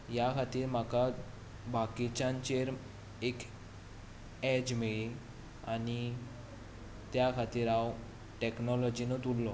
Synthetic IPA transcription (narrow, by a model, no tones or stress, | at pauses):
jakʰat̪iːɾm̤aka | bakit͡ɕãɲt͡ɕeɾ | ek | ɛd͡ʑmeɭi | a̰ni | t̪jakʰat̪iːɾaw | ʈeknɔlɔd͡ʑinot̪ulːɔ